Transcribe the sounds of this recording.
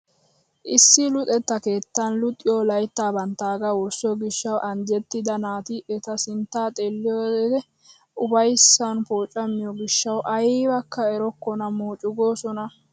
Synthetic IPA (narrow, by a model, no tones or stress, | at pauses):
ʔɪsːɪlʊt̪ʼɛt̪ːɐke̞ːt̪ːɐnlʊt̪ʼːɪjoːlɐjt̪ːaːbɐnt̪ːaːɡɐwʊɾsɔɡɪʃːɐwʔɐnd͡ʒɛt̪ːɪd̪ɐnaːt̪ɪʔɛt̪ɐsɪnt̪ːaːt̪ʼeːlːɪjoːd̪ɛ | ʊbɐjsːɐnpo̞ːt͡ʃʼːɐmːɪjɔɡɪʃːɐwʔɐjiːbɐkːɐɛɾɔkːɔnɐmoːt͡ʃʼʊɡo̞ːsɔnɐ